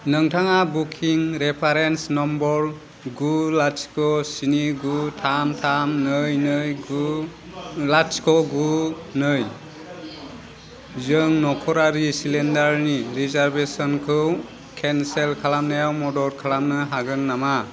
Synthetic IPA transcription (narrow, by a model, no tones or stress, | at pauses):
nɯŋtʰaŋabukʰiŋɾepʰaɾensnɔmbɔɾ | ɡulat͡ʃkɔsiniɡutʰamtʰamnɯjnɯjɡu | lat͡ʃkɔɡunɯj | zɯŋnɔkʰɔɾaɾisilendaɾniɾizaɾbesɔnkʰɯw | kʰenselkʰalamnajawmɔdɔɾkʰalamnɯɦaɡɯnːama